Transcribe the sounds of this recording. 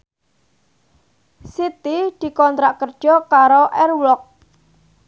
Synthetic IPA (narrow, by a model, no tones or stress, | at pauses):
sit̪id̪̥i̤kɔnt̪ɾaʔkərd̥ʒ̥ɔ̤kaɾoʔɛrwlɔk̚